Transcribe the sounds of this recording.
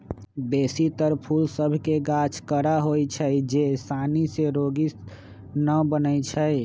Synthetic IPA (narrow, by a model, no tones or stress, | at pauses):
besit̪əɾpʰulsəbʱkeɡat͡ʃʰkəɾaɦojt͡ʃʰəjd͡ʒesaniseɾoɡis | nəbənət͡ʃʰəj